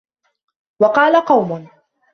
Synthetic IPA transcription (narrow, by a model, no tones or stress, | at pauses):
wɑqɑːlaqɑwmʊ